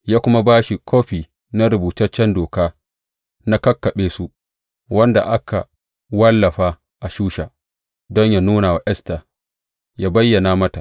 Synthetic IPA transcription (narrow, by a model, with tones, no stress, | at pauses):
jaː˦kʷʊ˦ma˦baː˦ʃi˨kʷʰoː˦ɸiː˨ | na˦ɾʊ˨buː˨tɐ˦rt͡ʃːɛ˦ndoː˨kaː˦ | na˦kɐ˦kːɐ˨ɓeː˦su˦ | wɐ˦nda̰˨ʔa˦ka̰˨ | wɐ˦lːɐ˨ɸaː˦ | ʔa˨ʃuː˦ʃa̰ː˨ | dɔ˦ɲja˨nuː˦na˨wa˨ʔɛ˦sta˨ | jaː˦bɐ˦jːɐ˨naː˦mɐ˦ta˨ʔ